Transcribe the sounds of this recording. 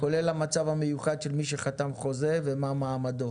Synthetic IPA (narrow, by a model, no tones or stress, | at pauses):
ko̞lelhamat͡savamejuχad̪ʃelmiʃeχat̪amχo̞zevemamaːmad̪o